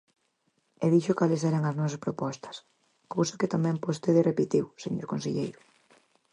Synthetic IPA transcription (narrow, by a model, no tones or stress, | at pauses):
eðiʃokalɪsɛɾɐŋɐznɔs̬ɐspɾopɔst̪ɐ̥s | kowsɐkɪt̪amɛ̃mpost̪eðɪrepit̪iwseɲoɾkonsḛʎejɾʊ